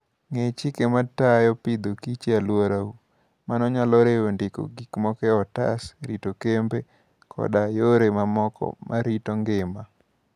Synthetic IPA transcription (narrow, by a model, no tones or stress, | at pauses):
ŋet͡ʃɪkematajɔpid̪okit͡ʃealwoɾau | manɔɲalɔɾeondɪko̰ɡikmɔkɛɔta̰sɾitokembe | kʰɔ̰dajoɾemamɔkɔ̰mʔa̰ɾitɔŋɡɪma